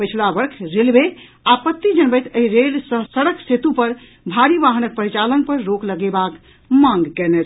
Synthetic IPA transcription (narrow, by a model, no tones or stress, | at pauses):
pəjt͡ʃʰlabəɾkʰɾelbe | apət̪ːid͡ʒənbɛjt̪əɦiɾelsə̃səɽəkset̪upəɾ | bʱaɾibaɦənək̚pəɾit͡ʃalənpəɾɾokləɡɛbak | mãŋɡkɛnet̪ʰ